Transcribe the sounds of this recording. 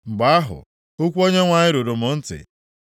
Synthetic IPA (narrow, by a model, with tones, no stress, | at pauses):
ŋ͡m̩˨ɡ͡ba˨a˦ɦʊ̰˨ | o˦kʷu˦o˦ɲe˦ŋʷa˨ɲɪ˦ɾo˨ɾo˨mʊ˨n̩˦tɪ̰˨